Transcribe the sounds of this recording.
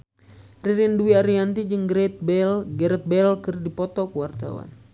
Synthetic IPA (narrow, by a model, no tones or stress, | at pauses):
riɾinduiaɾiant̪id͡ʒɨŋɡɾɛt̪̚bɛlɡɛɾɛt̪̚bɛlkɨrdipɔt̪ɔkəwart̪a̰wa̰n